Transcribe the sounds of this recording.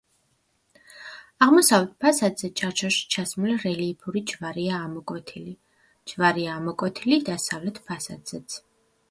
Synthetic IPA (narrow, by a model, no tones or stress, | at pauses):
aʁmɔsavlɛt̪̚ʰpʰasad̪zɛt͡ʃʰaɾt͡ʃʰɔʃi̥t͡ʃʰasmlɛɾɛliːpʰuɾid͡ʒvaɾiaːmɔkʼwɔt̪ʰili | d͡ʒvaɾiaːmɔkʼɔt̪ʰilid̪asavlɛt̪ʰpʰasad̪z̥ɛt̪sʰ